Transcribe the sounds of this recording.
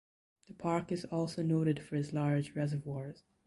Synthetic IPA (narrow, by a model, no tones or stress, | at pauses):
ðɨpʰɑɹkɨzɔlˠsoʊnoʊɾɨd̥fə˞ɨzlɑɹd͡ʒɹɛzə˞vwɔɹz̥